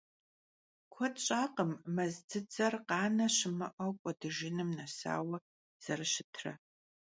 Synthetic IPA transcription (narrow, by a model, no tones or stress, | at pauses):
kʷʰɔtɕʼaːqəmːɐzd͡zʰɨd͡zʼɐrqɑːnɐʃɪmɐ̰ʔɐkʷʼɔdɨʒɪnɨmnɐsa̰ːwɐ | z̥ɐrɨʃɪtʰrɐ̰